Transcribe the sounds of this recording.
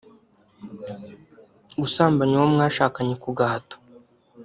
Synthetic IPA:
ɡusaːmbaɲuwomŋaːʃaːkaɲekuɡaɦato̥

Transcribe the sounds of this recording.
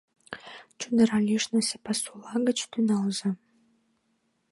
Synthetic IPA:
t͡ɕund̪ə̆ɾɑlʲiʃnəsepɑsulɑɡə̆t͡ɕt̪ynɑlzɑ

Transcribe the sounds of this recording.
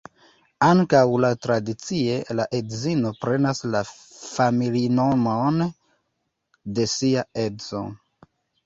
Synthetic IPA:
aŋkawlatɾadit͡sielaʔedzino̞pɾe̞nasla | familinomon | de̞siae̞zo̞̰

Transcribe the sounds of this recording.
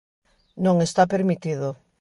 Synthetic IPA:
nõŋest̪apeɾmit̪iðo

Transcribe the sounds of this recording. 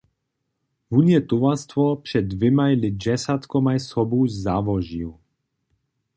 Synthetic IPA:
vunjɛt̪uvast̪vɔpʂɛd̪̚ːvɛmajlɪd͡ʒɛsat̪kɔmajsɔbuzzavɔʒiu

